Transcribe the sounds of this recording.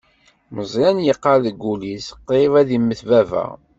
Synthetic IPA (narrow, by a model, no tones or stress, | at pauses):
məzˤɾænjəqːɑðəɡːulisqːevæðimːəθvævæ̰